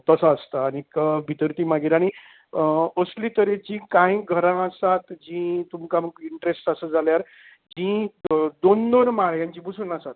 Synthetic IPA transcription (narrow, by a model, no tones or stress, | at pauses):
t̪əsaːst̪aːñikəbʱit̪əɾt̪iːmaɡiɾaɽ̃i | əslit̪əɾed͡ʑĩkãĩɡʱəɾãːsat̪d͡ʑĩt̪umkaməɡiɳʈɾesʈəsəd͡zʱaljaɾ | d͡ʑĩd̪ond̪onmaɭjãɲt͡ɕĩbusunasat̪̚